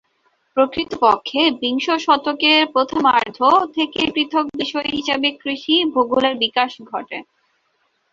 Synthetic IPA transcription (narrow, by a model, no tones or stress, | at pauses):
pɾokɾit̪opɔkʰːebiŋʃoʃɔt̪okeɾpɾot̪ʰomaɾd̪ʱot̪ʰekepɾit̪ʰok̚biʃɔeɦiʃabekːɾiʃibʱoɡuleɾbikaʃɡʱɔʈe